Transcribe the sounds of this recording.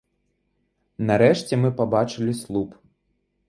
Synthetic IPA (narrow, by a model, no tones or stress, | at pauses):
naɾɛʂt͡sʲɛmɨpabat͡ʂɨlʲislˠup